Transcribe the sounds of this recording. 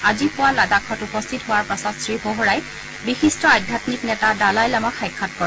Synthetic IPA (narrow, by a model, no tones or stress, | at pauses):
azipʊwaladakʰɔtupɔst̪ʰitɦʊwaɹpasɔtsɹiboɦɹaj | bixistɔajdʱatniknɛtadalajlamaxʰajkʰːat̚kɔɹɛ